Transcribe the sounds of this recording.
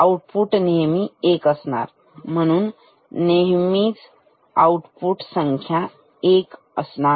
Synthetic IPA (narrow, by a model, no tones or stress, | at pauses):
auʈpuʈnemiekəsna̰ɾ | mənun | neɦmit͡s | auʈpuʈsəŋkʰja | ek | əsnaɾ